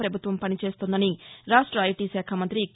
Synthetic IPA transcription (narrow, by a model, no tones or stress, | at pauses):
pɾɐbʱut̪ʋɐmpɐnit͡ʃe̞ːst̪und̪ɐniɾaːʂʈɾɐːjʈiːʃaːkʰamɐnt̪ɾik